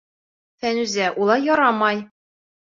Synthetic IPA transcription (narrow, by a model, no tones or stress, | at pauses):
fænʉzæʔulˠɑjɒɾɑmɑj